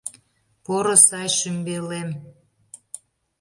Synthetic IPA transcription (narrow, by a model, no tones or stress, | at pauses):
poɾosɑjʃymbelem